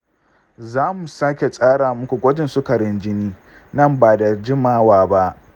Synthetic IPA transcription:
zaː˦mu˨sa˦kʲe˨sʼaː˦ɽaː˨mʊ˦kʷu˨ɡʷɔ˦d͡ʒɪ˨nsʊ˦kɐ˨ɽɪ˦nd͡ʒɪ˦niː˦ | nɐ˦˨mbaː˨da˨d͡ʒɪ˦maː˦waː˦˨ba˦ʔ

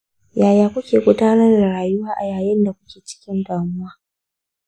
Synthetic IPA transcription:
jaː˨jaː˨kʷʊ˦kʲeː˨kʷʼʊ˦daː˦nɐ˦rda˨ɽaː˨jʊ˦waː˦ʔa˨jaː˨jɪ˦nda˨kʷʊ˦kʲeː˨t͡ʃɪ̥˦kʲɪ˦ndaː˨mʊ˦waː˦

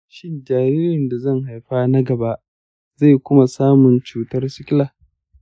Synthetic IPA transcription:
ʃɪ˦nd͡ʒaː˨ɾiː˦ɾɪ˨nda˨zɐ˦˨ŋha˨jɸaː˦na˦ɡɐ˨ba˦ʔ | za˦˨jkʷʊ˦ma˨saː˦mʊ˨nt͡ʃuː˨tɐ˦rsɪ˦kʲɪ˦laː˨

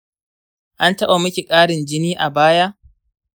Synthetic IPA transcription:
ʔa˦ntɐ˦ɓa˨mʊ˦kʲi˨kʼaː˦ɽɪ˨nd͡ʒɪ˦niː˦ʔa˨baː˦ja˦ʔ

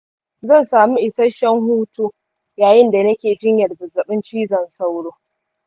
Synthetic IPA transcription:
zɐ˦˨nsaː˨mi˦ʔɪ˨sɐ˦ʃɐ˦ŋhuː˦tuː˦ | jaː˨jɪ˦nda˨nɐ˦kʲeː˨d͡ʒɪ˦ɲjɐ˨rzɐ˨zɐ˨ɓɪ˦nt͡ʃiː˦zɐ˨nsa˦wɽoː˦

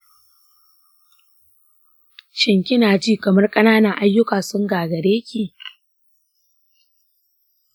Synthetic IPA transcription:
ʃɪ˨ŋkʲɪ˦naː˨d͡ʒiː˦kɐ˨mɐ˦rkʼɐ˦naː˦nɐ˨ŋʔa˦jːʊ˦kaː˨sʊ˦ŋɡaː˨ɡɐ˨ɽeː˦kʲiː˨

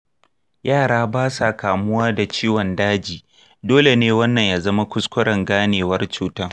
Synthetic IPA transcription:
jaː˦˨ɽaː˦baː˦sa˨kaː˨mʊ˦waː˦da˨t͡ʃiː˦wɔ˨ndaː˦d͡ʒiː˨ | doː˦le˨neː˦wɐ˦nːɐ˨ɲjaː˦zɐ˦ma˦kʷʊ˦skʷʊ˦ɽɐ˨ŋɡaː˦neː˨wɐ˦rt͡ʃuː˦taː˦

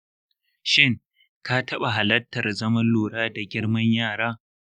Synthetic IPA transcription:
ʃɪ˦ŋ | ka˦tʰɐ˦ɓa˨ɦa˨lɐ˦tːɐ˨rzɐ˦mɐ˦nluː˨ɽaː˦da˨ɡʲɪ˦ɽmɐ˦ɲjaː˦˨ɽaː˦

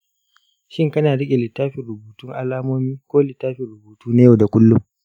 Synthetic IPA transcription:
ʃɪ˦ŋkɐ˦naː˨ɽɪ˦kʲʼe˨lɪ˨tːaː˦ɸɪ˨ɾʊ˨buː˨tʊ˦ŋʔa˨laː˦moː˦miː˦kʷoː˦lɪ˨tːaː˦ɸɪ˨ɽʊ˨buː˨tuː˦na˦ja˦˨da˨kʷʊ˦lːʊ˦m

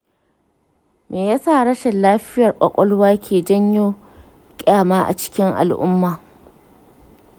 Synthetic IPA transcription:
mʔeː˨jaː˦sa˦˨ɽɐ˦ʃɛ˨nlaː˦ɸɪ˦jɐ˨rkʷʼɐ̰˨kʷʼɔ˦lwaː˦kʲʰeː˨d͡ʒɐ˦ɲjoː˦ | kʲʼaː˦˨maː˦ʔa̰˨t͡ʃɪ̥˦kʲɪ˦ŋʔa̰˨lʔʊ̰˦mːaː˨

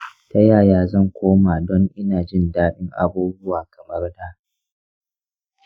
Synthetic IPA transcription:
ta˦jaː˦˨jaː˦zɐ˦˨ŋkʷʰoː˦maː˨dɔ˦ŋʔɪ˦naː˨d͡ʒɪ˦˨ndaː˦ɗɪ˦ŋʔa̰˨buː˦bʊ˦waː˨kɐ˨mɐ˦rdaː˦

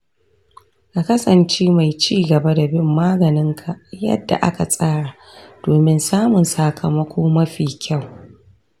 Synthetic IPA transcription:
ka˨kɐ˦sɐ˨nt͡ʃeː˦ma˨jt͡ʃiː˦˨ɡɐ˨ba˦da˨bɪ˦˨mːaː˦ɡɐ˨nɪ˦ŋkʰa˨jɐ̰˦dːa̰˨ʔa̰˦ka˨sʼaː˦ɽaː˨ | d̥oː˨mɪ˦nsaː˦mʊ˨nsaː˨kʰɐ˨mɐ˦kʷʰoː˦mɐ˦ɸiː˨kʲa˦˨w

